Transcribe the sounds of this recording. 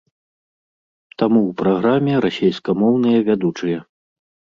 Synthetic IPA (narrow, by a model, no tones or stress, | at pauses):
t̪amuwpɾaɣɾamʲɛɾasʲejskɐmɔwnɨjɐvʲad̪ut͡ʂɨjɐ